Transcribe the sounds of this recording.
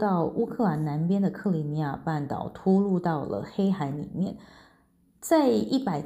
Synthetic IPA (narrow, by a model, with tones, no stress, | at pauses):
t̪ɑ˥˩ʊʔu˥kʰɤ˥˩la˧˥nna˧˥npjɛ˥nd̪ə˨kʰɤ˥˩li˧˥ni˧˥ja̰˥˧˩pa˥˩nt̪ɑ̰˨˩ʊt̪ʰu˥lu˥˧t̪ɑ˥˩ʊlə̰˩xe˥ɪxa˧˥ɪnḭ˨˩˦mjɛ˥˩n | t͡sa˥˧ɪi˥˩pa˨˩ɪ